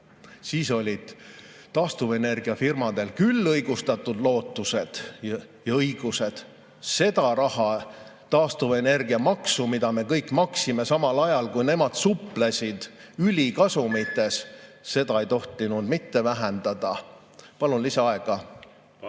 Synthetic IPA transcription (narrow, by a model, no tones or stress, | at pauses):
siːso̞lʲid̪̥ | t̪ɑːst̪uve̞ne̞rɡ̥iɑfirmɑd̪e̞lkylːɤjɡ̥ust̪ɑt̪ːˑud̪̥lo̞ːt̪ˑːuse̞d̪̥jɑɤjɡ̥use̞d̪̥ | se̞d̪̥ɑɾɑhɑt̪ɑːst̪uve̞ne̞rɡiɑmɑksumid̪̥ɑme̞kɤjkːˑmɑksime̞sɑmɑlɑjɑlkujne̞mɑd̪̥suple̞sʲid̪̥ | ylʲikɑsumit̪ːˑe̞sːe̞d̪ɑejt̪o̞ht̪ˑinud̪mit̪ːe̞væɦend̪̥ɑd̪̥ɑ | pɑlunlisɑɑe̞ɡ̥ɑ